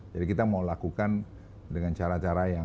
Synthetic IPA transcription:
d͡ʒadikit̪amaulakukan | dəŋant͡ʃaɾat͡ʃaɾaja

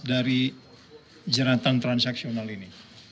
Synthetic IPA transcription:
daɾi | d͡ʒaɾat̪ant̪ɾansaksionalini

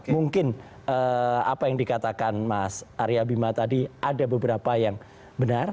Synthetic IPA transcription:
muŋkɪn | əa̰pajaŋdikat̪akanmasʔaɾiabimat̪adiʔadabəbəɾapajaŋ | bənar

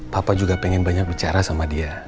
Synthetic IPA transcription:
papad͡ʒuɡapɛŋɛnbaɲak̚bit͡ʃaɾasamadia

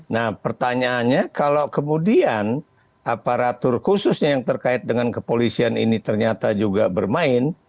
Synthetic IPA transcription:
nahpərt̪aɲaːnɲakalawkəmudian | ʔapaɾat̪ʊrhusʊsɲajaŋt̪ərkaɪt̪̚dəŋankəpolisianinit̪ərɲat̪ad͡ʒuɡabərmaɪn

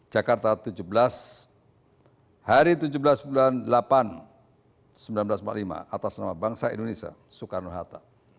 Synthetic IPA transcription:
d͡ʒakart̪at̪ud͡ʒublas | haɾit̪ud͡ʒublasbulanlapan | səmbilanbəlasmpa̰ʔlima̰ʔat̪asnamabaŋsaḭndonesia̰ | sukarnuɦat̪a

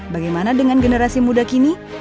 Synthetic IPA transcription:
baɡajmanadəŋanɡənəɾasimudakini

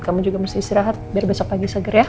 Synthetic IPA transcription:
kamud͡ʒuɡaməst̪ɪist̪iɾaɦat̪̚biarbɛsɔk̚paɡisəɡərja

